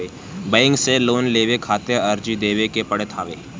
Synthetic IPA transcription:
eː | bəɪ̃ŋɡseloːnleːʋekʰaːt̪eəɾd͡ʒid̪eːʋekepɐɽet̪ʰaːʋḛː

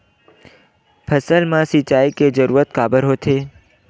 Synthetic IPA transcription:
pʰəsəlmãsit͡ʃaiked͡ʒəɾuːɾət̪̚kabəɾɦot̪ʰe

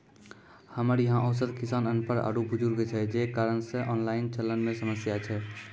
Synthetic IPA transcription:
həməɾjəɦãʔəʊs̬ət̪kɪsaːnənpəɾa̰ːɽubʱʊd͡ʒuɾɡet͡ʃʰɛd͡ʒekaːɾənsẽʔɔːnlaːɪnt͡ʃəlːənmẽsəməsjat͡ʃʰɛ

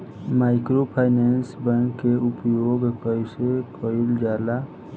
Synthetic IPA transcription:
maɪkɾopʰaːɪnensbə̃nkeʊpjoːɡkəɪsekʰəuld͡ʒaːla

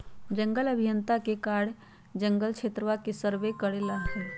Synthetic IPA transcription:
d͡ʒə̃ŋɡələbʱijənt̪akekaːɽ | d͡ʒə̃ŋɡəlkʃʰeːt̪ɾəʋakesəɾʋekəɽelaɦɛː

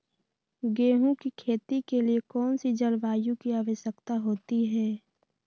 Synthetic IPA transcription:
ɡeːɦũkikʰeːt̪ikeliekɔːnsid͡ʒəlʋaːjũkiaːʋəʃjəkt̪aɦoːt̪iɦɛː

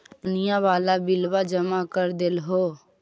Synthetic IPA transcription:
ʊnɪjãʋaːlabɪlʋad͡ʒəmakəɾd̪elɦoː

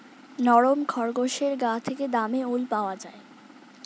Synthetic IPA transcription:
nɔɾomkʰɔɾɡoʃeɾɡat̪ʰeked̪ameulpaoad͡ʑae

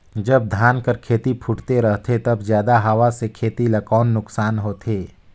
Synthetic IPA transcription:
d͡ʒɐb̚d̪ʱaːnkəɾkʰeːt̪ipʰʊʈt̪eɾɐɦt̪ʰet̪ɐbzjaːd̪aɦɐʋasekʰeːt̪ilɐkɔːnːʊksaːnɦoːt̪eː

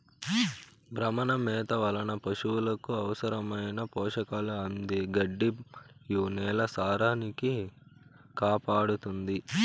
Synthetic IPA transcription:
bɾɐmɐnɐmɛːt̪ɐʋɐlɐnɐpɐʂuwulɐkuɐʋɐsɐɾɐmɐjnɐpɔːʂɐkaːluɐnd̪iɡɐɖːijuːnɛːlɐsaːɾaːniki | kaːpaːɽut̪und̪i

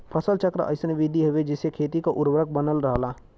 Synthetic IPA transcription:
pʰəsəlt͡ʃəkɾ̰ʔə̰ɪsənʋɪd̪ʱiɦoʋed͡ʒɪsekʰeːt̪ikaʔʊɾbɾək̚ʰbənəlɾəɦlaː

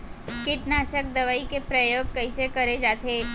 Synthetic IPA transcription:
kɪʈnaːʃək̚d̪ɐʋaːikepɾɐjoːɡ̚kɐɪsekɐɾed͡ʒaːt̪eː

